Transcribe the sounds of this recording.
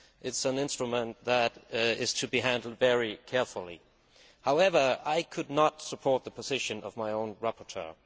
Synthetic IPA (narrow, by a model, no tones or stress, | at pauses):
ʔɪtsə̃nɪ̃nstɹ̥ɨmə̃nðəɾɪz̥tʰɨbiɦæ̃ndˡl̩ˠdvɛɹikʰɛɹfl̩ˠḭ | haʊɛvə˞aɪkʰɨdⁿnətsəpʰɔɹt̪̚ðəpʰəzɪʃɨ̃nʌ̰vmaɪõʊ̃nɹæpʰə˞tʰɜ̰˞